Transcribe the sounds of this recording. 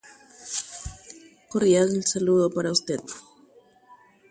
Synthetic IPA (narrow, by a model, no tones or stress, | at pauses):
korjaðelsaluðopaɾaust̪eð